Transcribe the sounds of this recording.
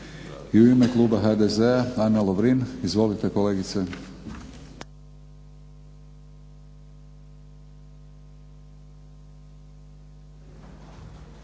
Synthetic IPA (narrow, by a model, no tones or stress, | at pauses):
iuimeklˠuːbaɦad̪ezeaanːaloʋɾinizʋo̞lit̪e̞ko̞leːɡit̪se